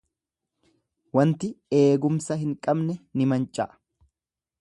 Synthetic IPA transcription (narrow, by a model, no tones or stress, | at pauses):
wɐnt̪ɪeːɡʊmsɐhɪŋkʼɐbnɛnɪmɐnt͡ʃʼːɐ̰ʔ